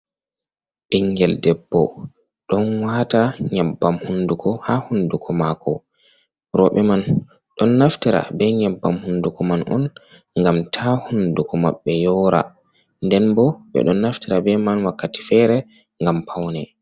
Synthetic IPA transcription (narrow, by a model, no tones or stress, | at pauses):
ɓiŋɡɛldɛbːɔ̰ | ɗɔnwataɲabːamhundukʰɔhahundukʰɔmakɔ̰ | ɾɔɓɛman | ɗɔnːaftiɾa̰bɛɲabːamhundukɔmanʔɔ̰n | ŋɡamtʰahundukɔmaɓːɛjɔɾa̰ | ndɛnbɔɓɛ̰ɗɔnːaftiɾabɛmanwakːati̥fɛɾɛ | ŋɡampʰawnɛ